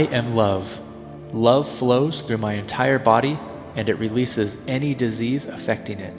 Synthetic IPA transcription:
ɪʔɨ̃mlʌv̥ | lʌv̥floʊz̥θɹʉmaɪɨ̃ntʰaɪə˞bɑɾi | ɨ̃nɨʔ̚ɹilisɪzɛnidɨzizəfɛk̚tɪ̃ŋɪt̚

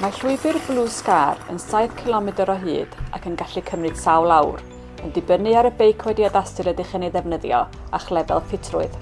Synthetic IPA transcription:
marɬʊɨbɨrblˠuːskaːrə̰nsaɨv̥kʰɪlˠɔmɨdəɾɔɦɨ̰ːd̥a̰kʰənɡaɬɨkʰəmnɨd̥sawlˠawr | əndɨbənɨaɾəbejkʰwɛdjɔdastɨɾədɪχɛneðɛvnəðjɔ̰ | aχlˠɛvɛ̰lˠfʰɪtʰrʊɨð̥

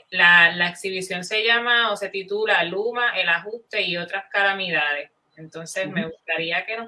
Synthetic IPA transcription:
lalaeksiβisjo̞nse̞ʝamaose̞t̪it̪ulalumaʔe̞laɦust̪e̞io̞t̪ɾaskalamiðaðe̞s | e̞nt̪o̞nse̞sme̞ɣust̪aɾiake̞no

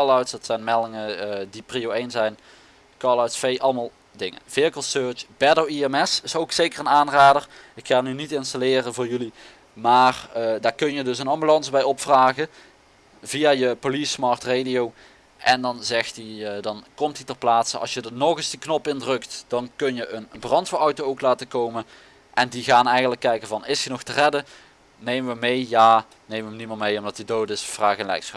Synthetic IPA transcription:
lawtsd̥ɑtsɛjnmɛlˠdɪŋədipriowejnsɛjn | kɑlawtsfejʔɑlˠmalˠ | dɪŋə̰nv̥ɪɹkəlˠsøːɹt͡ʃb̥ɛdoiɛmɛsɪsowksejkərənaːnraːdərɪkxaːnynitɪnstalɪːrəvʊːɹjɵli | maːrdaːɹkɵnjədɵsənɑmbylɑnsbɛjɔpfraːɣə | vijajəpolismɑɹtredijow | ʔɛndɑnzɛxtidɑnkɔmtitɛrplaːtsəɑ̰sjədənɔɣɪsdəknɔpɪndrɵktd̥ɑnkɵnjəʔənbrɑntfəɔwtowowklaːtəkowmən | ʔɛndiɣaːnɛjɣəndləkːɛjkənvɑnɪsənɔxtərɛdə | nejməʋəmejjaː | nejməʋəmniməmejɔmdɑtidoːtɪsfraːɣənlɛ̰jksxɑp

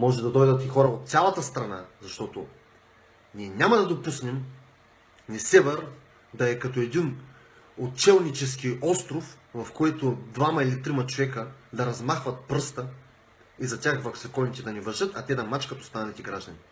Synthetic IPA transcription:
mɔʒɛd̪ɐd̪ɔjd̪ət̪ixɔɾɐot̪̚t̪sʲalˠɐt̪əst̪ɾɐna̰zɐʃt̪ɔt̪o | niɛnʲamɐd̪ɐd̪opusnɛm | nɛsɛvɛɾ | d̪ɐɛkɐt̪oɛd̪in | ott͡ʃɛlˠnit͡ʃɛskʲiɔst̪ɾofvɐfkɔjt̪od̪vamɐilit̪ɾimɐt͡ʃovɛkəd̪ɐɾɐzmaxvɐt̪̚pɾɤst̪ə | izɐt̪ʲaxvɐksɛkɔnit̪ɛd̪ɐnɛvɐʒɤt̪ɐt̪ɛd̪ɐmat͡ʃkɐt̪ost̪anɐlʲit̪ɛɡɾaʒd̪ɐnʲi

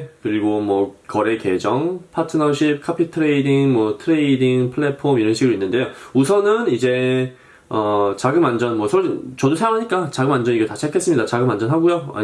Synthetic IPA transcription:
kɯɾiɡomwʌkʌɾe̞ke̞d͡ʑʌŋpʰatʰɯnʌɕʰip̚kʰapʰitʰɯɾeidiŋmwʌtʰɯɾe̞idiŋpʰɯɭːe̞pʰomiɾʌnɕʰiɡɯɾoinːɯnde̞jousʰʌnɯnid͡ʑe̞ | ʌt͡ɕaɡɯmand͡ʑʌnmwʌsʰʌɭt͡ɕʌdosʰeʌŋɦaɲik͈at͡ɕaɡɯmand͡ʑʌɲiɡʌtaɕʰak͈es͈ɯmɲidat͡ɕaɡɯmand͡ʑʌnɦaɡujoa̰

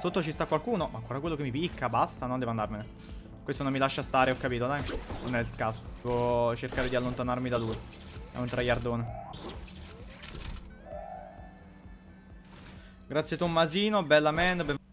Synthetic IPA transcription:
sot̪ːot͡ʃist̪akwalkuːnomaːŋkoːɾakwelːokemːipikʰːabast̪anond̪ɛvoand̪aɾmene | kwest̪onomːilaʃːast̪aːɾeɔkːapiːt̪od̪ajnonɛilkaːzo̥ɛvot͡ʃerkaːɾed̪ialːont̪anarmid̪aluiɛ̰unt̪ɾajard̪oːne | ɡɾat̪sjet̪omːaziːnobɛlːamːɛnbɛ

